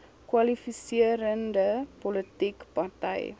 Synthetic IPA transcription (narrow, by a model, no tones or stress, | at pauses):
kwɐlifisiəɾəndəpɔlətikpɐrtɛ̰j